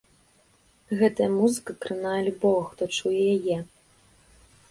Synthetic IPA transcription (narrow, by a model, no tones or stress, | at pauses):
ɣɛt̪ɐjɐmuzɨkɐkɾɨnajɐlʲubɔvxt̪ɔt͡ʂujɛjajɛ